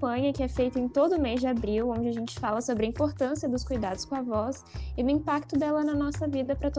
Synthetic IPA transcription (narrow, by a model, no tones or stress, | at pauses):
pɐ̃ɲɐkɪɛfejt̪ɐẽt̪od̪ʊmezd͡ʒɪabɾiwõd͡ʒɪaʒẽnt͡ʃɪ̥falɐsobɾɪɐĩpoɾt̪ɐ̃siɐd̪ʊskujd̪ad̪ʊskõɐvɔs | ɪd̪ʊĩmpakt̪ʊd̪ɛlɐnɐnɔsɐvid̪ɐpɾɐt̪o